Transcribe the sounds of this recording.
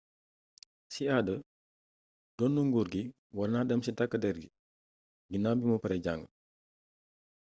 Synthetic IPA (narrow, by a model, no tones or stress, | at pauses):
siadə | dɔnːuŋɡuɾɡi | wɐrnaːdɐmsitakːədɛɾɡi | ɡinambimupɐɾɛɟaŋɡə